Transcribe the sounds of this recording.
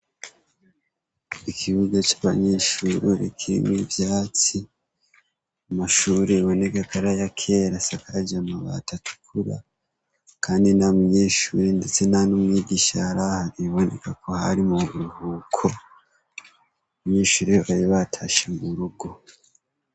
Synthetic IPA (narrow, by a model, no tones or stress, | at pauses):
ikʰiβuɡat͡ʃaβa̰ɲeʃuɾoɾḭkʰiɾḭmwivjaːt͡si | amaʃuːɾeβo̞ne̞kakaɾajakʰeɾasakaɾad͡ʒamaβa̰tatu̥kʰuɾa̰ | kʰaːndinamuɲe̞ːʃuɾendet͡se̞nanomŋiːɡiːʃaɾahaɾiβo̞ne̞kako̞ha̰ɾimuβuɾuhuːkʰo | βɲe̞ːʃuɾeβaɾiβatʰaʃemuɾuɡo̞